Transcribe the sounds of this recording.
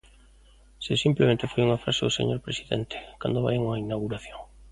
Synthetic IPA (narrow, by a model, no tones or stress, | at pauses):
sesimplemẽnt̪ɪfojuŋafɾaseðʊsḛɲoɾpɾesiðɛ̰nt̪ɪ̥kand̪oβa̰jeŋuŋainawɣuɾaθjoŋ